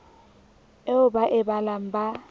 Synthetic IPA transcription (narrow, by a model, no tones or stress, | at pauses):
eʊbaʔɪbalam̩ba